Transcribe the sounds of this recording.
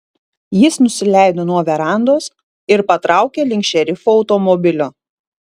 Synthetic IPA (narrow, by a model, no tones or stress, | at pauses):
jɪsnʊsʲɪlʲæˑɪd̪oːnuɔʋʲɛɾɑˑnd̪oːs | ɪɾpɐt̪ɾʔɑˑʊkʲeːlʲɪŋʲkʲʃʲɛɾʲɪfuːɐʊt̪ɔmɔbʲɪlʲʊ